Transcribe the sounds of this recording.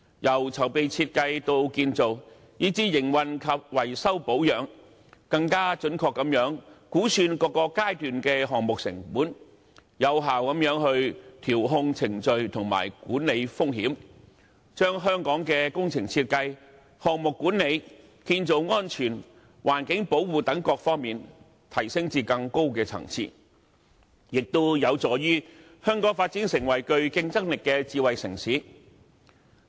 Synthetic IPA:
jɐ˨˩wt͡sʰɐ˨˩wpe˨jt͡sʰiː˧t̚kɐ˧jt̪o˧wkiː˧nt͡so˨w | jiː˥t͡siː˥jɪ˨˩ŋwɐ˨nkʰɐ˨p̚wɐ˨˩jsɐ˥wpo˨˥wjœː˨˧ŋ | kɐ˧ŋkaː˥t͡ʃɵ˨˥nkʰɔː˧kːɐ˨˥mjœː˨˥ŋkuː˨˥syː˧nkɔː˨˧kɔː˧kaː˥jt̪yː˨nkɛː˧ɦɔː˨ŋmʊ˨k̚sɪ̰˨˩ŋpuː˨˥n | jɐ˨˧wɦaː˨wkɐ˨˥mjœː˨˧˥ŋhɵ˧ɥt̪ʰiː˨˩wɦʊ˧ŋt͡sʰɪ˨˩ŋt͡sɵ˨˧ɥt̪ʰʊ˨˩ŋma̰ː˨˩jkuː˨˥nle˨˧jfʊ˥ŋhiː˨˥m | t͡ʃœː˥ŋɦœː˥ŋkɔː˨˥ŋkɛː˧kʊ˥ŋt͡sʰɪ˨˩ŋt͡sʰiː˧t̚kɐ˧j | hɔː˨k̚mʊ˨kːuː˨˥nːe˨˧j | kiː˧nt͡so˨˧wŋɔː˥nt͡ʃʰyː˨˩n | waː˨˩nkɪ˨˥ŋpo˨˥wwuː˨t̪ɐ˨˥ŋkɔː˧k̚fɔː˥ŋmiː˨n | t̪ʰɐ˨˩jsɪ˥ŋt͡siː˧kɐ˧ŋko˥wkɛː˧t͡sʰɐ̰˨˩ŋt͡sʰḭː˧t̚ | jɪ˨k̚t̪o˥wjɐ˨˧wt͡sɔː˨˧jyː˥ | hœː˥ŋkɔː˨˥ŋfaː˧t̚t͡siː˨˥nsɪ˨˩ŋwɐ˨˩jkɵ˧ɥkɪ˧ŋt͡sɐ˥k̚lɪ˨kːɛː˧t͡siː˧wɐ˨jsɪ˨˩ŋsiː˨˥

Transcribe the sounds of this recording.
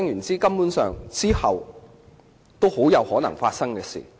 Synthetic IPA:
ɛ˥ŋjyː˨˩nt͡siː˥kɐ˥mpuː˨˥nsœː˨ŋt͡siː˥hɐ˨w | t̪o˥who˨˥wjɐ˨˧whɔː˨˥nɐ˨˩ŋfaː˧t̚sɐ˥ŋkɛː˧sḭː˨˩

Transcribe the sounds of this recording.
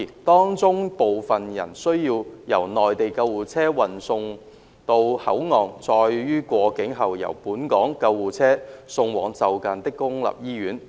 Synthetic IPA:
t̪ɔː˥ŋt͡sʊ˥ŋpo˨wfɐ˨njɐ̰˨˩nsɵ˥ɥjiː˧wjɐ˨˩wnɔː˨˩jt̪e˨jkɐ˧wuː˨˩t͡sʰɛː˥wɐ˨nsʊ˧ŋ | t̪o˧whɐ̰˨˥wŋɔː˨˩ŋt͡sɔː˧jɥyː˥kʷɔː˧kɪ˨˥ŋɦɐ˨wjɐ̰˨˩wpuː˨˥nkɔː˨˥ŋkɐ˧wwuː˨t͡sʰɛː˥sʊ˧ŋwɔː˨˩ŋt͡sɐ˨wkaː˨˧nt̪ɪ˥kːʊ˥ŋlɐ̰˨˩p̚jiː˥ɥyː˨˥n

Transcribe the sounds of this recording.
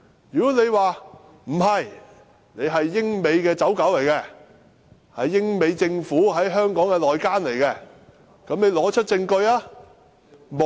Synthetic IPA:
jyː˨kɔ˨˥ne˨˧jwaː˨ | m̩˨˩ɦɐ˨j | ne˨˧jɦɐ˨jːɪ˥ŋme˨˧jkɛː˧t͡sɐ˨˥wkɐ˨˥wle˨˩jkɛː˧ | hɐ˨jːɪ˥ŋme˨˧jt͡sɪ˧ŋfuː˨˥ɦɐ˨˥jɦœː˥ŋkɔː˨˥ŋkɛː˧lɔː˨jkaː˥nle˨˩jkɛ˧ | kɐ˨˥mne˨˧jlɔː˨˥t͡ʃʰɵ˥t̚t͡sɪ˧ŋkɵ˧ɥaː˥ | m˨

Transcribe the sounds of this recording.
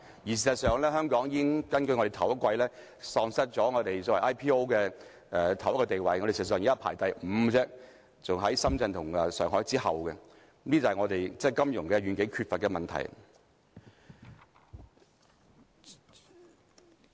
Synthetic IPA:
ji˨˩s̬iː˨˩st̚sœː˨ŋlɛː˥ɦœː˥ŋkɔː˨˥ŋji˧˥ŋkɐ˥nkɵ˧jŋɔ˧ɾe˨jt̪ʰɐ˨˩wɐ˥tkʷwɐ˧jlɛː˥ | sɔː˧ŋsɐ˥t̚t͡sɔː˨˥ŋɔː˨˧t̪e˨jsɔ˨˥wʔaː˥jpʰiː˥o˥wkɛː˧ | ɛː˨t̪ʰɐ˨˩wɐ˥kɔ˧t̪e˨jwɐ˨jŋɔ˧ɾe˨˩siː˨zs̬œː˨ŋː˨˥ɐ˨˩pʰa̰ː˨˩jt̪ɐ˨jm̩ː˨˧˥t͡sɛː˥ | t͡sʊ˨ŋɦɐ˨˥jsɐ˥mt͡sɐ˧nt̪ʰʊ˨˩ŋɛ˨sœː˨ŋɦɔː˨˥jt͡siː˥hɐ˨wkɛ˧˥ | nli˥t͡sɐ˨ɐ˨˩ŋɔː˨˧t̪e˨jt͡sɛː˥˩jkɐ˥mjʊ̰˨˩ŋkɛ˧ɥyː˨˧nkɪ˨˥kʰyː˧t̚fɐ˨t̚kɛ˧mɐ˨nt̪ʰɐ̰˨˩j

